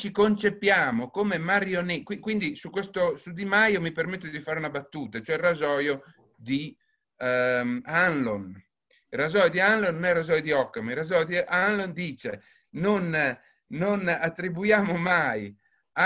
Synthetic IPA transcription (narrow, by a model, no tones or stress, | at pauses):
t͡ʃikont͡ʃepjaːmokomemaɾjonekwikwind̪isukːwest̪osud̪imajomipermet̪ːod̪ifaːɾeunabat̪ːuːt̪at͡ʃoɛrazɔːjo | d̪i | manlon | razɔjod̪ianlonːnɛrazɔjod̪iɔkːamirazɔjod̪iʔanlond̪iːt͡ʃe | nonː | onat̪ːɾibujaːmomaj | a